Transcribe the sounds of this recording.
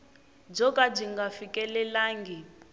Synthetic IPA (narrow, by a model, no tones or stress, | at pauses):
b͡ʐɔkʼab͡ʐiŋɡafikʼɛlɛlaːŋɡi